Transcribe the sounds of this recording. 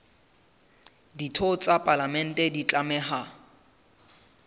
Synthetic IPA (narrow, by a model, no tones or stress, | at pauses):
ditʰot͡sʼapʼalamɛn̩tʼɛdit͡ɬʼamɛɦa